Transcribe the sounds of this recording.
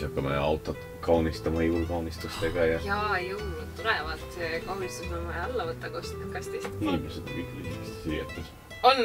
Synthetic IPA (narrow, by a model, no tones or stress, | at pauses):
ɑkːɑmḛɑwt̪ːˑot̪ | kɑwnist̪ɑmɑiulkɑwnist̪ust̪eɡ̥ɑjɑjɑːejunut̪t̪ːuɾɛvɑ̰lt̪sekonist̪usomɑɑɑlːɑvɤt̪ːɑkost̪i̥kːɑ̥kːɑsʲt̪ist̪iːmesed̪pid̪ḭnimest̪e̥siljḛt̪ːˑus | on